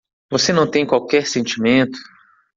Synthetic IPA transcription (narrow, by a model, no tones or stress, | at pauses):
vosenɐ̃w̃t̪ẽj̃kwawkɛɾsẽnt͡ʃimẽnt̪ʊ̥